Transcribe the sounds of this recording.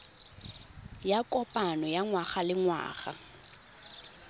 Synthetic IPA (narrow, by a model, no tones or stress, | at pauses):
jakʼɔpʼanɔjaŋwaχalɪŋwa̰ːχa̰